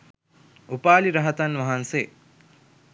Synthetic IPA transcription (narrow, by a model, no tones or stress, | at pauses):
upaːliɾɐɦɐt̪anʋɐɦanseː